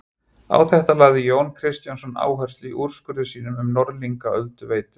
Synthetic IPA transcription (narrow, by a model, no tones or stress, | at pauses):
a̰wθɛht̪alaɣðɪjoːwnkʰɾɪst̪jansɔna̰ːwɦœr̥st̪liʔuɾ̥skʏɾʏsiːnʏmʏmnɔɾliŋkaœlt̪ʏveːjt̪ʏ̥